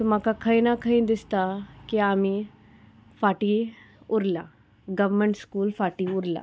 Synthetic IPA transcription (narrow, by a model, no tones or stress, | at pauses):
t̪ʊmãkakʰəĩnakʰəĩd̪ɪst̪akiaːmĩ | fʰaːʈi | ʊɾlaː | ɡɐʋmẽɳʈskuːlfʰaːʈiʊɾla̰ː